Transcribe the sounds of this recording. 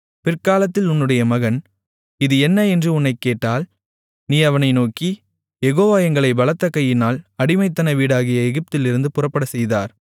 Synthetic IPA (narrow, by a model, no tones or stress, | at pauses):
pɪrkaːlɐt̪ːɪlʊnːɯɽɐjɐmɐɣɐn | ɪðɯɛnːɐɛndrɯʊnːɐɪkːeːʈːaːl | niːɐʋɐnɐɪnoːki | jɛɣoːʋaːjɐŋɡɐɭɐɪbɐlɐt̪ːɐkːɐjɪnaːlɐɽɪmɐɪt̪ːɐnɐʋiːɽaːɣɪjɐɛɣɪp̚t̪ɪlɪɾɯnd̪ɯpʊrɐpːɐɽɐsɛjða̰ːɾ